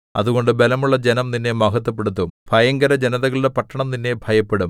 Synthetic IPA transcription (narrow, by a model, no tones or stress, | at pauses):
ɐ̰ðuɣo̞ɳɖɨbe̞lɐmuɭːɐd͡ʑenɐmninːe̞mɐɦɐt̪ːɐp̬ːeɽut̪̬ːumb̥ʱɐjɐŋɡɐɾɐd͡ʑenɐðɐɣɐɭidepɐʈːɐɳɐmninːe̞bʱɐjɐpːeɽum